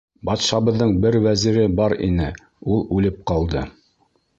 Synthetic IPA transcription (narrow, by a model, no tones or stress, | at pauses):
bɑt̪ʃɑβɤ̆ðːɤɴbɘɾwæziɾɘbɑɾḭnɘ | ulˠʉlɘp̚qɑlˠd̪ɤ